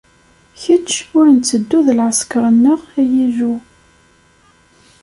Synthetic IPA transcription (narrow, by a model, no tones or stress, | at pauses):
çət͡ʃːʊɾənt͡sːəd̪ːuðlʕəskəɾˤənːəʁæjæʒu